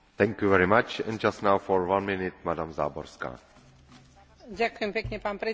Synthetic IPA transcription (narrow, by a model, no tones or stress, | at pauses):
t̪ʰɛ̃ŋkjuvɛɹimat͡ʃɛ̰̃nd͡ʒastnawfɔɹwãnmɪnɪt̚madamza̰ːbɔɾska̰ː | ɟakujɛmpɛkɲɛpaːnpɾɛ